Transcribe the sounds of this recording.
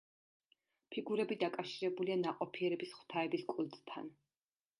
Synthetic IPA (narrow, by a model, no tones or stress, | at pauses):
pʰiɡuɾɛbid̪akʼafʃiɾɛbulianaqʼɔpʰiɛɾɛbisχw̥t̪ʰaɛbiskʼulˠt̪ʼt̪ʰa̰n